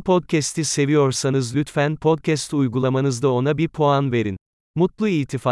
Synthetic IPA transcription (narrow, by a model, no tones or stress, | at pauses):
pʰod̪̚cʰɛst̪ʰise̞vijo̞ɾsanɯzlʲyt̪fænpʰod̪̚cʰɛst̪ujɡulˠamanɯzd̪ao̞nabiɾpʰo̞anve̞ɾḭn | mut̪lˠuiːt̪ʰifa